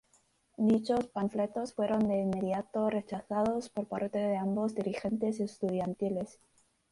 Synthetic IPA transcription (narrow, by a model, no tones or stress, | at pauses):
d̪it͡ʃo̞spaɱfle̞t̪o̞sfwe̞ɾo̞nd̪e̞imːe̞ðjat̪o̞re̞t͡ʃaθaðo̞spo̞ɾpaɾt̪e̞ðe̞ambo̞zd̪iɾixe̞nt̪e̞sest̪uð̞jant̪ile̞s